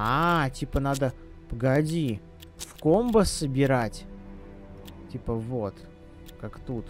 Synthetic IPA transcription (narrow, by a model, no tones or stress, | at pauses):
atʲipənad̪ə | pəɡɐdʲi | fkombəsːəbʲɪɾatʲ | tʲipəvo̞t̪ | kakt̪ut̪